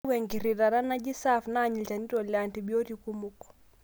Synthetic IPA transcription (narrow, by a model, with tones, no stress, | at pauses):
wɛ˨ŋɡi˨ɾi˨ɾa˨ɾa˦na˦d͡ʒi˦sa˦fna˦˨ɲi˨d͡ʒa˨ni˦ɾɔ˨la˨nti˨bjɔ˦ɾi˦ku˦mu˦kɔ̥˨